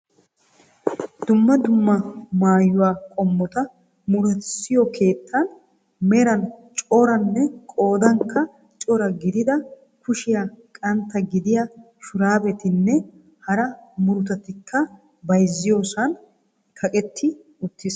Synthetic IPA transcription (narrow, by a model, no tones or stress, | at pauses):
d̪ʊmːɐd̪ʊmːɐmaːjʊwaːkʼɔmːɔt̪ɐ | mʊɾɛtsɪjɔkʰe̞ːt̪ʰːɐn | mɛɾɐnt͡ʃʼɔɾɐnːɛkʼo̞ːd̪ɐŋkːɐ | t͡ʃʼɔɾɐɡɪd̪ɪd̪ɐ | kʊʃɪjakʼɐnt̪ːɐɡɪd̪ɪja | ʃʊɾaːbɛt̪ɪnːɛ | hɐɾɐmʊɾʊt̪ɐt̪ɪkʰːɐ | bɐjzːɪjo̞ːsɐn | kʰɐkʼɛt̪ʰːɪ | ʊt̪ːɪs